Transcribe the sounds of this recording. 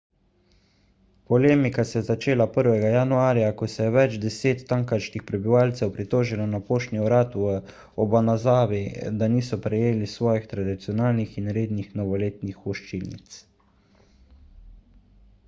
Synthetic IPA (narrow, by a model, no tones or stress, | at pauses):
pɔleːmikasɛjɛzat͡ʃeːlapəɾʋɛɡajanuaːɾjakɔsɛjɛʋɛd͡ʒd̪ɛseːt̪ːaŋkaɾʃkixpɾɛbiʋaːlt̪sɛwpɾit̪oːʒilɔnapoːʃniɔɾaːt̪uə | ɔbanazaːʋid̪aniːsɔpɾɛjeːlisʋɔːjixt̪ɾad̪it̪sijɔnaːlnixinɾeːd̪nixnɔʋɔleːt̪nixɔʃt͡ʃilnḭt̪s